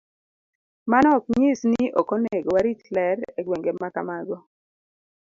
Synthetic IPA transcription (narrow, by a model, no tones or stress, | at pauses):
manɔk̚ɲɪsniʔɔkonɛɡɔwaɾit͡ʃlɛɾeɡweŋɡemaka̰maɡɔ